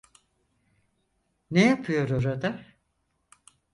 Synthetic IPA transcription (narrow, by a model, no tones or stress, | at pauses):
nejapʰɯjo̞ɾoɾad̪a